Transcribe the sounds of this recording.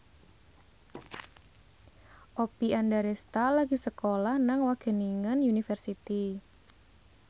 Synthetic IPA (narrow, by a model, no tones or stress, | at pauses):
ʔopiandaɾɛst̪alaɡisəkolahnaŋwaɡ̥ə̤niŋənjunifərsit̪i